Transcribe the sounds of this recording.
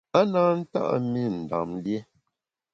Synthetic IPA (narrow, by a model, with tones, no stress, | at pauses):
a˦naː˦n̩˦ta̰˦ʔa̰˦mi˦˨n̩˨da̰˨mlje˦